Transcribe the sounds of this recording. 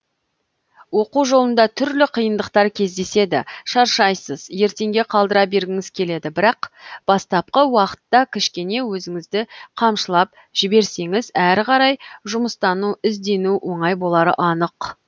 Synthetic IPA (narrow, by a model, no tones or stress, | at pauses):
wo̞quwʒo̞lˠənd̪ɑt̪ʰʏɾlɪqʰijənd̪əqt̪ɑɾkʲʰe̞zd̪e̞se̞d̪ɪ̰ʃɑɾʃɑjsəzje̞ɾt̪e̞ŋɡʲe̞qʰɑlˠd̪əɾɑbe̞ɾɡʲɪŋɪz̥kʲʰe̞le̞d̪ɪbɪɾɑqb̥ɑst̪ɑp̚qəwɑqə̥t̪ːɑkʲʰɪʃkʲe̞ne̞wɵzɪŋɪzd̪ɪqʰɑmʃəlˠɑp̚ | ʒ̥ɪbe̞ɾse̞ŋɪzæɾqɑɾɑjʒʊməst̪ɑnuɪzd̪e̞nuwʔo̞ɴɑjbo̞lˠɑɾə̰ʔɑnəq